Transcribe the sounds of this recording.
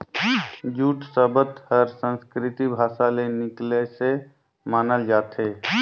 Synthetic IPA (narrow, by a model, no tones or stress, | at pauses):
d͡ʒuːʈsəbət̪həɾsənskɾɪt̪ibʱaːsalenɪklese | maːnəld͡ʒaːt̪ʰe